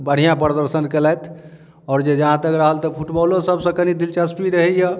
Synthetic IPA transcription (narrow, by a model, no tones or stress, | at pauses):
bəɽ̤ijãpɾəd̪əɾsənkelɛjt̪ʰ | ɔːɾd͡ʒed͡ʒəɦãt̪əkɾəɦəlt̪ɔpʰuʈbɔlosəbʱsə̃kənid̪ilt͡ʃəsʈiɾəɦɛjə